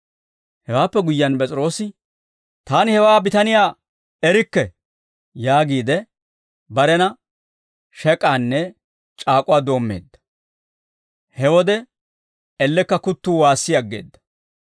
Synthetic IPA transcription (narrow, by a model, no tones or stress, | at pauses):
hɛwaːpːɛɡʊjːɐnpʼɛt͡sʼɪɾo̞ːsɪ | t̪aːnɪhɛwaːbɪt̪ɐnɪjaː | ɛɾɪkːɛ | jaːɡiːd̪ɛ | bɐɾɛnɐ | ʃɛkʼːaːnːɛ | t͡ʃʼaːkʼʊwaːd̪o̞ːmːe̞̰ːd̪ːɐ̥ | hɛwɔd̪ɛ | ɛlːɛkːɐkʊt̪ːuːwaːsːɪjɐɡːe̞̰ːd̪ːɐ̥